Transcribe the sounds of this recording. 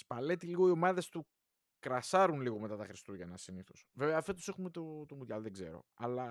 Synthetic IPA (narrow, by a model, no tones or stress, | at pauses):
spɐle̞t̪iliɣo̞io̞mɐðe̞st̪u | kɾɐsɐɾunliɣo̞me̞t̪ɐt̪ɐxɾist̪uʝɐenɐsiniθo̞sve̞veɐːfet̪u̥se̞xumet̪ot̪omut̪ɐlðeɡze̞̰ɾo̞̰ɐlɐ